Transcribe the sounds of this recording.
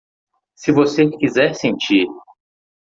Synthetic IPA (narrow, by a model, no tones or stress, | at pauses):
sɪvosekizɛɾsẽnt͡ʃiɾ